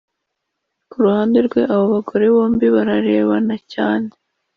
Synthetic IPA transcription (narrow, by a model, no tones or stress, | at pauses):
kuɾuhaːnde̞ɾɡwe̞ʔaβo̞βaɡo̞ɾe̞βo̞ːmbiβaɾaɾe̞ːβanacaːne